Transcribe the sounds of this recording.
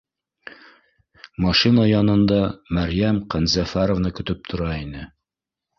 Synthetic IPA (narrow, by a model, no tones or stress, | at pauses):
mɑʃinajɑnɤ̆nd̪ɑmæɾjæmqænzæfæɾovnɤkɵ̆t̪ɵp̚t̪ʰŏɾɑinɘ